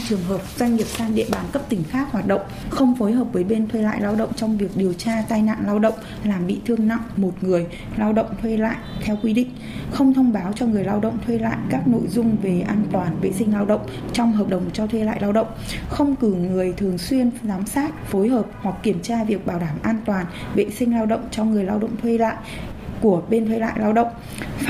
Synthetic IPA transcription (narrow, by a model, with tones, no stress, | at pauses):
t͡ɕɨ˨˩əŋɦəː˨˩p̚z̥wa˧jŋ̟ːi˨˩əp̚saː˧ŋɗḭ˧˨əɓaː˨˩nkə˦˥p̚t̪ï˧˩ŋ̟xaː˦˥k̚hwaː˨˩t̚ɗə̰˧˨wŋ͡mxə˧wŋ͡mfo˨˦jɦəː˨˩p̚vəː˨˦jɓe˧nt̪ʰwe˧la̰ː˧˨jlaː˧wɗə̰˧˨wŋ͡mt͡ɕɔ˧wŋ͡mvi˨˩ək̚ɗi˨˩əwt͡ɕaː˧t̪aː˧jna̰ː˧˨nlaː˧wɗə̰˧˨wŋ͡m | laː˨˩mɓḭ˧˨t̪ʰɨ˧əŋna̰˧˨wmo˨˩t̚ŋɨ˨˩əj | laː˧wɗə̰˧˨wŋ͡mt̪ʰwe˧la̰ː˧˨jʔt̪ʰɛ˧wkwi˧ɗḭ̈˧˨ŋ̟ | xə˧wŋ͡mt̪ʰə˧wŋ͡mɓaː˨˦wt͡ɕɔ˧ŋɨ˨˩əjlaː˧wɗə̰˧˨wŋ͡mt̪ʰwe˧la̰ː˧˨jkaː˦˥k̚no̰˧˨jzʊ˧ŋ͡mve˨˩ʔaː˧nt̪waː˨˩nvḛ˧˨sï˧ŋ̟laː˧wɗə̰˧˨wŋ͡m | t͡ɕɔ˧wŋ͡mɦəː˨˩p̚ɗə˨˩wŋ͡mt͡ɕɔ˧t̪ʰwe˧la̰ː˧˨jlaː˧wɗə̰˧˨wŋ͡mxə˧wŋ͡mkɨ˧˩ŋɨ˨˩əjt̪ʰɨ˨˩əŋswi˧ənzaː˨˦msaː˦˥t̚fo˨˦jɦəː˨˩p̚hwa˨˩k̚ːi˧˩əmt͡ɕaː˧vi˨˩ək̚ɓaː˧˩wɗaː˧˩mʔaː˧nt̪waː˨˩n | vḛ˧˨sï˧ŋ̟laː˧wɗə̰˧˨wŋ͡mt͡ɕɔ˧ŋɨ˨˩əjlaː˧wɗə̰˧˨wŋ͡mt̪ʰwe˧la̰ː˧˨j | ku˧˩əɓe˧nt̪ʰwe˧la̰ː˧˨jlaː˧wɗə̰˧˨wŋ͡m